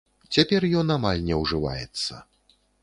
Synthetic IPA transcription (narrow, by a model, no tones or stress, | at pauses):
t͡sʲapʲɛrjɔnamalʲnʲɛwʐɨva̰jɛ̰t̪sːɐ̰